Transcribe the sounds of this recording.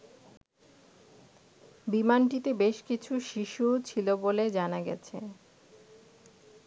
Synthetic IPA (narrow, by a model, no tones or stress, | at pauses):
bimanʈit̪ebeʃkit͡ɕʰuʃiʃut͡ɕʰiloboled͡ʑanaɡɛ̰t͡ɕʰḛ